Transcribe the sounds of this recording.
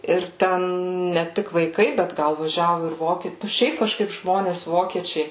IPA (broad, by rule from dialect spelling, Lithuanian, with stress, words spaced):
ɪr ˈtʲɛn nʲɛ ˈtʲɪk ʋɐɪˈkɐɪ bʲɛt ˈɡɐlˠ ʋɐˈʒʲæːʋʊ ɪr ˈʋoːkʲiɛ ˈʃʲɛɪp kɐˈʃkɐɪp ˈʒmoːnʲeːs ˈʋoːkʲiɛt͡ʃʲɛɪ